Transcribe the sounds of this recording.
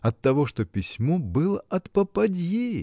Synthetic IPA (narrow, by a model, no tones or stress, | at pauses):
ɐt̪ːɐvoʂt̪opʲɪsʲmobɨlˠəɐt̪pəpɐdʲje